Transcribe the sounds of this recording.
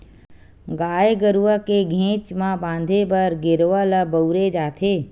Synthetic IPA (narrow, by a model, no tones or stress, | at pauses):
ɡaːjeɡəɾuʋakeɡʱẽːt͡ʃmãbãːnd̪ʱebəɾɡɪɾʋalabəʊɾed͡ʒaːt̪ʰeː